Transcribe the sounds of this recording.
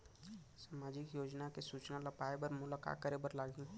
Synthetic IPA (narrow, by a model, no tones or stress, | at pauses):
saːmaːd͡ʒɪkjoːd͡ʒnakesuːt͡ʃnalɐpaːebɐɾmʊlaka̰ːkːəɾebɐɾlaːɡĩː